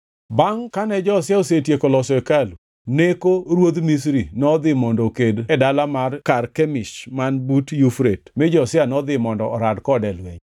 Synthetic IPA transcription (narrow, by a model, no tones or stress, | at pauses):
baŋkanɛd͡ʒɔsɪaosetjekɔlɔsɔɛkalu | nekoɾwod̪mis̬ɾinɔd̪ɪmɔndokedɛdalamarkarkɛmɪʃmanbutjufɾetmɪd͡ʒɔsɪanɔd̪ɪmɔndɔːɾadkɔdɛlwɛɲ